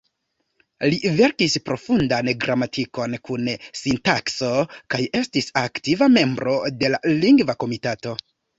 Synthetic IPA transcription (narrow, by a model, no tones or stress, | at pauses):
live̞ɾkispɾo̞fundanɡɾʔamatʰiko̞nkunsintakso̞kaje̞stisaktivame̞mbɾo̞de̞laliŋɡvako̞mitato̞